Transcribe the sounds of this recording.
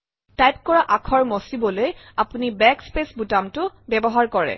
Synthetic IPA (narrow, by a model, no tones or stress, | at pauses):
tajp̚kɔɹaʔakʰɔɹmɔsibɔlojapunibɛkspesbutamtʊbɛbɔɦaɹkɔɹɛ̰